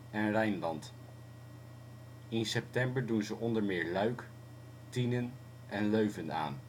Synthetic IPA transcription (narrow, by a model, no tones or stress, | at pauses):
ɛnrɛjnlɑnt | ɪnsɛp̚tɛmbəɹdunzəʔɔndəɹmɪːɹlœɥk | tinən | ʔɛnløɥvəna̰ːn